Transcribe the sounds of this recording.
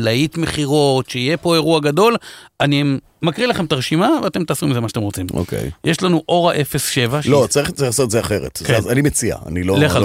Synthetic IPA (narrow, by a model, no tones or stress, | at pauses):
lait̪meχiʁo̞t̪ʃeijepo̞e̞ʁuaɡado̞lani | makʁilaχemt̪aʁeʃimaveat̪e̞mt̪aːsʁimilzemaʃat̪emʁot͡simo̰kʰḛjjeʃlanuʔo̞ʁaʔe̞fesʃe̞vaʃlo̞t͡saʁiχt͡saiχlasot̪zeaχeʁḛt̪azanimet͡sia̰a̰niloleχa